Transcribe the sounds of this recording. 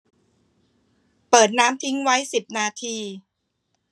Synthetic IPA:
pɤː˨˩t̪̚naː˦˥mt̪ʰi˦˥ŋwa˦˥jsi˨˩p̚naː˧t̪ʰiː˧

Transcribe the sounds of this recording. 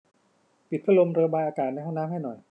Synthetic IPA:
pi˨˩t̪̚pʰɯ˥˩lo˧mɾɤː˧baː˧jʔaː˧kaː˨˩t̪̚na˧jɦa˥˩naː˦˥mɦa˥˩jnɔ˨˩j

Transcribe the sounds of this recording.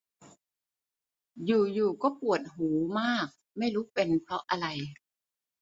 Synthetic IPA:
juː˨˩juː˨˩kɔː˥˩pu˨˩ət̪̚ɦuː˩˦maː˥˩k̚ | ma˥˩jɾuː˦˥pe˧npʰɾɔ˦˥ʔa˧ɾa˧j

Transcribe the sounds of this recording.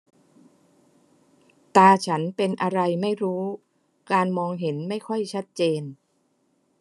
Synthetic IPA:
t̪aː˧t͡ɕʰa˦˥npe˧nʔa˧ɾa˧jma˥˩jɾuː˦˥ | kaː˧nmɔː˧ŋɦe˩˦nma˥˩jkʰɔ˥˩jt͡ɕʰa˦˥t̪̚t͡ɕeː˧n

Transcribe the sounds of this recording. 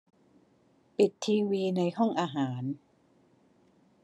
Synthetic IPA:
pi˨˩t̪ʰːiː˧wiː˧na˧jhɔ˥˩ŋʔaː˧ɦaː˩˦n

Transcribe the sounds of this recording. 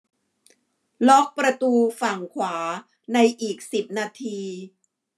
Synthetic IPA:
lɔ˦˥k̚pɾa˧t̪uː˧fa˨˩ŋkʰwaː˩˦ | na˧jʔiː˨˩k̚si˨˩p̚naː˧t̪ʰiː˧

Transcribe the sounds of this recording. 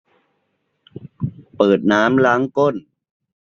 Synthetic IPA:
pɤː˨˩t̪̚naː˦˥mlaː˦˥ŋko˥˩n

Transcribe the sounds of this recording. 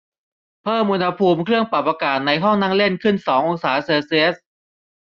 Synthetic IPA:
pʰɤː˥˩mʔu˧nha˧pʰuː˧mkʰɾɯ˥˩əŋpa˨˩p̚ːaː˧kaː˨˩t̪̚na˧jɦɔ˥˩ŋnaː˥˩ŋle˥˩nkʰɯ˥˩nsɔː˩˦ŋʔo˧ŋsaː˩˦seː˧si˧ʔs̚

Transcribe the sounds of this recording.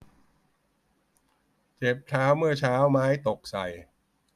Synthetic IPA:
t͡ɕe˨˩p̚t͡ɕʰaː˦˥wmɯ˥˩ɐt͡ɕʰaː˦˥wmaː˦˥jt̪o˨˩k̚sa̰˨˩j

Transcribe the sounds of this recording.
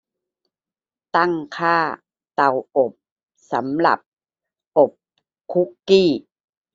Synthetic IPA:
t̪a˥˩ŋkʰaː˥˩ | t̪a˨˩wʔo˨˩p̚ | sa̰˩˦mla̰˨˩p̚ | ʔo˨˩p̚ | kʰu˦˥kːiː˥˩

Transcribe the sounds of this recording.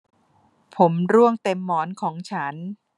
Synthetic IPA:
pʰo˩˦mɾu˥˩əŋt̪e˧mːɔː˩˦nkʰɔː˩˦ŋt͡ɕʰa˦˥n

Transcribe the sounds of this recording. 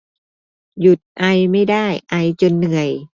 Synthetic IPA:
ju˨˩t̪̚ʔa˧jma˥˩jdaː˥˩jʔa˧jt͡ɕo˧nːɯ˨˩əj

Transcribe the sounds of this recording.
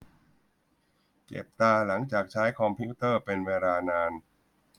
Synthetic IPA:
t͡ɕḛ˨˩p̚t̪aː˧la˩˦ŋt͡ɕaː˨˩k̚t͡ɕʰaː˦˥jkʰɔ˧mpʰi˦˥t̪ɤː˥˩pe˧nweː˧laː˧naː˧n

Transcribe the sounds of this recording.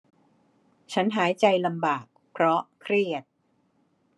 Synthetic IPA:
t͡ɕʰa˦˥nɦaː˩˦jt͡ɕa˧jla˧mbaː˨˩k̚pʰɾɔ˦˥kʰɾi˥˩ət̪̚

